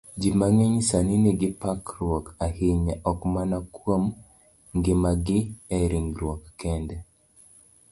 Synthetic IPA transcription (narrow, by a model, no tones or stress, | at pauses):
d͡ʒimaŋeɲsaniniɡɪpakɾwɔkahiɲaʔɔkmanakwom | ŋɡɪmaɡɪɛɾiŋɾwɔkːɛndɛ